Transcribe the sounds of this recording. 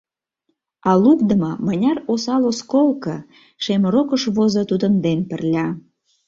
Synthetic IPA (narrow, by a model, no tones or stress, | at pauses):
ɑlukd̪ə̆mɤmənʲɑrosɑloskolkə | ʃemɾokəʃβozɤ̆t̪ud̪ə̆nd̪enpə̆rlʲɑ